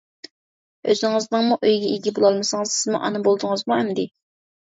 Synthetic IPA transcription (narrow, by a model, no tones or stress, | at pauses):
øzɪnɪŋɨznɨŋmuʔøjɡʲɛiɡʲɛbolˠɑlˠmɨsɨŋɨzsɪzmuʔɑ̰nɨbolˠd̪ɨŋɨzmuɛmd̪ɪ